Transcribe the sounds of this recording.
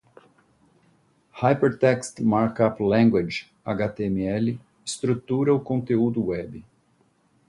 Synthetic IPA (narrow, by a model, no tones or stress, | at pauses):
hajpeɾt̪ɛkst̪maɾkaplɛ̃ŋɡwad͡ʒ | aɡat̪eemiɛlɪ | ɪst̪ɾut̪uɾɐʊkõnt̪eud̪ʊwɛbɪ